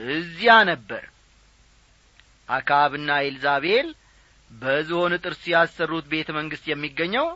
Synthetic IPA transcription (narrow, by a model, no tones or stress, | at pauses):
ɨzːijanəbːə̰ɾ | ʔakʰaβɨnːaelzaβel | bəɨziho̞nɨt̪ʼɨɾsujasːərːut̪be̞t̪ʰəməŋɡɨst̪jɛmːiɡːəɲːəw